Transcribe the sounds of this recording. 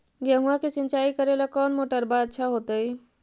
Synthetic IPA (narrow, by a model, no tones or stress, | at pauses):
ɡəɦũãket͡ʃɪ̃nt͡ʃaikəɾelakɔːnmoʈəɾbaətːʃʰaɦot̪əi